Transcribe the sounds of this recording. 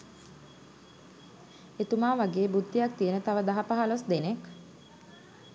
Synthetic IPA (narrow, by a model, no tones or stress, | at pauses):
et̪umaːʋaɡeːbud̪ːijak̚t̪ijənət̪aʋəd̪aɦapaɦalosd̪enek